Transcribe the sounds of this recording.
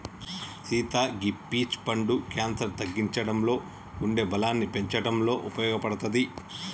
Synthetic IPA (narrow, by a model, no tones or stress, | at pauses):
siːt̪aːɡipːiːt͡ʃpɐɳɖukaːnsɐɾt̪ɐɡːiɲt͡ʃɐɽɐmlo̞ː | uɳɖe̞ːbɐlaːnːipe̞ɲt͡ʃɐɽɐmlo̞ːʔupɐjɔːɡɐpɐɽɐt̪ɐd̪i